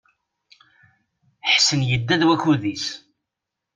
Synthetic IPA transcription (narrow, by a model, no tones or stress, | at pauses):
ħsənjəd̪ːæðwækːuðis